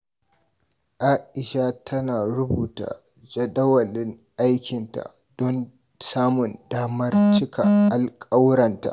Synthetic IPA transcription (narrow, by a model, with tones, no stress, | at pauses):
ʔaː˦ʔɪ˨ʃa˦tʰɐ˦naː˨ɽʊ˦buː˨ta̰˨ | d͡ʒɐ˨ɗɐ˦wɐ˨lɪ˦ŋ | ʔa˦jkʲɪ˨nta̰˨ | dɔ˦n | saː˦mʊ˨ndaː˦mɐ˦rt͡ʃɪ˦kʰa˨ʔa˨lkʼa˦wɽɐ˨nta̰˨ʔ